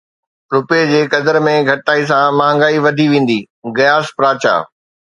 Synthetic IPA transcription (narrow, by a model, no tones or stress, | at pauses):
ɾʊped͡ʑeːkɐd̪əɾmẽɡʱɐʈt̪aːis̬ãmaːə̃ŋɡaːiʋɐd̪ʱiʋẽːn̆d̪iː | ɣɐjaːspɾaːt͡ɕa̰ː